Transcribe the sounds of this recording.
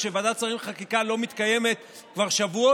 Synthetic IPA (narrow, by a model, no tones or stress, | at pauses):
ʃevad̪at͡saʁimχakikalo̞mit̪kaje̞me̞t̪ | kvaʁʃavuo